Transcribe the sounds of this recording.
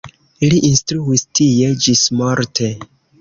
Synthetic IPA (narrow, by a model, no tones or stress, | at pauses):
liʔinstɾuistije̞d͡ʒismoɾtʰe